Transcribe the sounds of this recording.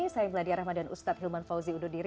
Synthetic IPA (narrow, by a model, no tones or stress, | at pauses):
isajiməladiaɾahmadanṵst̪at̪̚ɦilmanfawziudʊr̚diɾ